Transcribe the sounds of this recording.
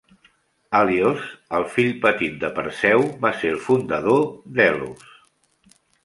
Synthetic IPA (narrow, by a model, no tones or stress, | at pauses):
aliozəlˠfiʎpət̪it̪̚d̪əpə̰ɾsɛwβaselˠfund̪əð̞oðɛlṵs